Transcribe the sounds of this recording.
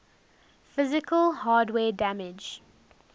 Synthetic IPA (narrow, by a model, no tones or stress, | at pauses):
fɪzɪkəlhaːdwɛːdæmɪd͡ʒ